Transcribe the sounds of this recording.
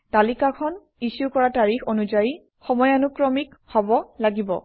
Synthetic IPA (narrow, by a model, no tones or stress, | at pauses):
talikakʰɔn | isukɔɹataɹixʰonuzaji | xɔmɔjanukɹɔmikhɔbɔlaɡibɔ̰